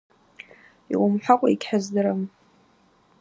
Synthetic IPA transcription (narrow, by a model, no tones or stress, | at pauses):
ḭʔʷʼʊmħʷakʷʼaikʲʰħazdɨɾam